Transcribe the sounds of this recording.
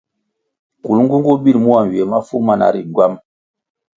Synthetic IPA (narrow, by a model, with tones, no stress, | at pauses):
ku˨lŋɡu˦ŋ˦ɡu˦bi˦lmu˦a˨n˨we˨ma˦fu˦ma˨na̰˨ɾi˨ɡwa˦m